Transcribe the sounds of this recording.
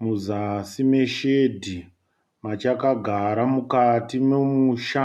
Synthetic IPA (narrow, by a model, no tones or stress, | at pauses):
muzasime̞ʃedʱi | mat͡ʃakaɡʱaɾamukatimemuʃa